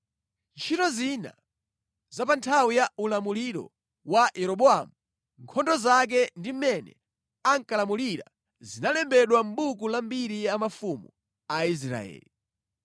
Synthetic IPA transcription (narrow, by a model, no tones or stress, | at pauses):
nt͡ʃʰitɔzina̰ | zapantʰawijaulamuliɾɔ̰ | wajɛɾɔɓɔamu | ŋkʰɔndɔzak̬ɛndim̩mɛnɛ̰ | aŋkalamuliɾa̰ | zinalɛmbɛɗwam̩ɓukulambiɾiamafumu | ais̬ɾa̰ɛ̰ːli